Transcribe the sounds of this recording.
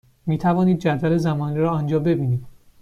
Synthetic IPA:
miːt̪ʰævɒːniːd̪̚d͡ʒæd̪væle̞zæmɒːniɾɒːɒnd͡ʒɒːbe̞biːniːd̪̥

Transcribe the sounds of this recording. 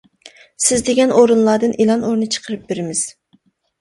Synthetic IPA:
sɪzd̪eɡʲɛnoɾunlˠɑɾd̪ɨnʔelˠɑnoɾnɨt͡ʃʰə̥qʰəɾɨp̚beɾɪmɪz̥

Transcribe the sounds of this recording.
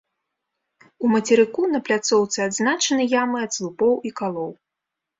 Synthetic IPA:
umɐt͡sʲɛɾɨkunɐplʲat̪sɔwt̪sɨad̪znat͡ʂɐnɨjamɨɐd̪slˠupɔwikalˠɔw

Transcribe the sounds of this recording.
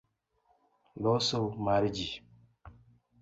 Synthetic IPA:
lɔsomaɾid͡ʒi

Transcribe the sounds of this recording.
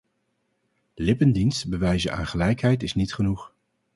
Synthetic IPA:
lɪpəndinstbəʋɛjzənʔa̰ːnχəlɛjkɦɛjtɪsnitχənuχ

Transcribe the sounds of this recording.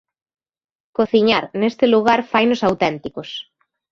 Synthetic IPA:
koθiɲaɾnest̪ɪluɣ̞aɾfajnʊsawt̪ɛnt̪ikos

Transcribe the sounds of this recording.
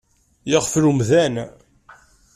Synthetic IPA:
jəʁflumðæn

